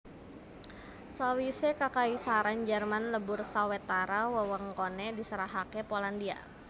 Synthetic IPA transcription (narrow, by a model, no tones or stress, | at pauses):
sawisekakaisaɾand͡ʒərmanləbʊrsawɛt̪aɾawəwəŋkonɛdisəɾaɦakɛpolandia̰